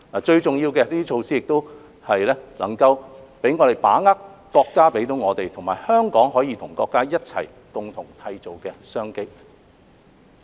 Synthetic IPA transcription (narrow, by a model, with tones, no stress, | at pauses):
laː˨t͡ʃɵ˧ɥt͡sʊ˨ŋjiː˧wkɛː˧t̪iː˥t͡ʃʰo˧wsiː˥ɪ˨k̚t̪o˥w | hɐ˨jlɛː˥lʔɐ̰˨˩ŋkɐ˧wpe˨˥jŋɔː˨˧t̪e˨˩jpa̰ː˨˥ŋaː˥kkɔː˧kːaː˥pe˨˥jt̪o˨˥wŋɔː˨˧t̪e˨jt̪ʰʊ˨˩ŋmaː˨˩jhœː˥ŋkɔː˨˥ŋɦɔː˨˥jiː˧t̪ʰʊ˨˩ŋkɔː˧kːaː˥jɐ˥t̚t͡sʰɐ̰˨˩j | t̪ʊ˨ŋt̪ʰʊ˨˩ŋt̪ʰɐ˧jt͡so˨wkɛː˧sœː˥ŋke˥j